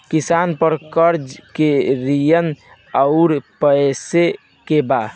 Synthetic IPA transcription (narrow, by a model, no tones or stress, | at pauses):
kisanpəɾkəɾd͡ʒkeɾijən | əʊɾpəse | keba